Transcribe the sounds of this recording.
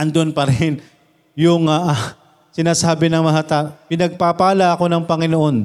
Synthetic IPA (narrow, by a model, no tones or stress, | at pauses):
ʔɐnd̪oʔonpɐɾɛn | jʊŋaʔ | sɪnaːsaːbɪnɐŋmɐŋat̪apɪnɐɡ̚papaːlɐʔɐko̞nɐŋpɐŋɪnoʔo̞n